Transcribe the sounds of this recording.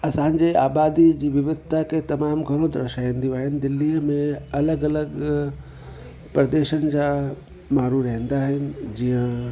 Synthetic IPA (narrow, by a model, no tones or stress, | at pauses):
ɐsãːɲd͡ʑeaːbaːd̪id͡ʑiːʋɪʋɪd̪̚ʱt̪ʰaket̪ɐmaːmɡʱɐɽ̃õd̪ɾɐ̰ɾʃaːĩnd̪ijõaːɦɪnɪ̆d̪ɪlːimẽɐləɡɐləɡ | pɾɐd̪eːʃənɪ̆d͡ʑaː | maːɾuɾɐɦə̃n̆d̪aːɦɪnɪ̆d͡ʑijə̃